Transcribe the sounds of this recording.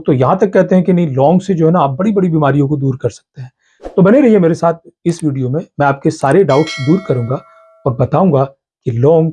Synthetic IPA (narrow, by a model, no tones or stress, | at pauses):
t̪ojɐɦãt̪ɐkːɛɦt̪eɦɛ̃kinɐɦĩlɔːŋɡsed͡ʒoːɦɛnaːp̚bɐɽibɐɽibiːmaːɾijõkod̪uːɾkɐɾsɐ̥k̚t̪eɦɛ̃ː | t̪obɐneɾɐɦiɦɛmeːɾesaːt̪̚ʰɪsʋiːɖijomẽmɛ̃aːp̚kesaːɾeɖaːʊʈsd̪uːɾkɐɾũːɡa | ɔːɾbɐt̪aːũːŋɡa | kilɔ̃ːŋɡ